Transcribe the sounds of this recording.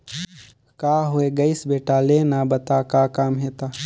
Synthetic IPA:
kaːɦʊeɡɐɪsbeːʈaleːnabɐt̪akakaːmɦeːt̪aː

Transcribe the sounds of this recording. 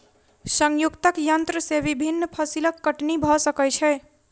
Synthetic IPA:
səŋjukt̪əkjənt̪ɾəseβibʱinːpʰəsiləkːəʈnibʱɔsəkət͡ʃʰɛ

